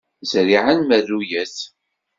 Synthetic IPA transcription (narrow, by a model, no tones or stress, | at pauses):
zɾiʕanmæðujæθ